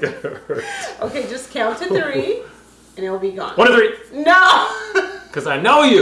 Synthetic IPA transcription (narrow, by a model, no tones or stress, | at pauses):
ʔoʊkeɪd͡ʒʌskʰãʊ̃ntɨθɹi | ɨ̃nɨl̩ˠbiɡɔ̰̃nwʌ̃nʌθɹinoʊ | kʰʌzaɪnoʊjʉ